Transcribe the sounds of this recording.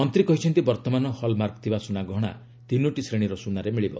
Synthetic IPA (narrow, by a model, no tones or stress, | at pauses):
ɔnt̪ɾikɔɦit͡ʃʰɔnt̪ibɔɾt̪ɔmanɔhɔlmaɾkɔ̥t̪ʰibasunaɡɔɽ̃a̰ | t̪inuʈisɾeɽ̃iɾɔsunaɾemiɭibɔ̰